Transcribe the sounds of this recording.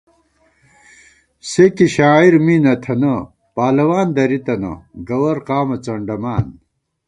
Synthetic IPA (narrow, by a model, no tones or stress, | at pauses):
sekiɕaːiɾminɐt̪ʰɐnɐ | paːlɐwaːnd̪ɐɾit̪ɐnɐ̰ɡɐwɐɾqaːmɐt͡sɐɳɖɐmaːn